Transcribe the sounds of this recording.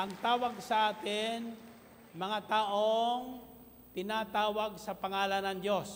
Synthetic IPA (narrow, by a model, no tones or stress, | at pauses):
ʔɐŋt̪aːwɐɡ̚sɐʔaːt̪ɪn | mɐŋat̪aːʔoŋ | t̪ɪnaːt̪aːwaɡ̚sɐpɐŋaːlanɐŋd̪os